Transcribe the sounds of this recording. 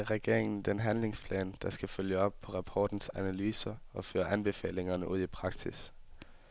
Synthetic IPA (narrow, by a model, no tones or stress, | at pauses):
ʁɛɡ̥e̝̰ɐ̰eŋn̩d̥enɦænle̝ŋspʰlɛ̰ːnd̥ɑ̈sɡ̥æføljəɒ̽b̥̚pʰɒ̽ʁɑ̈pʰɒːd̥n̩sænælyːsɐ | ɒfø̰ːɐʔænb̥e̝fɛ̰ːle̝ŋɐnəʔuð̰ˠipʰʁɑ̈ɡ̥sis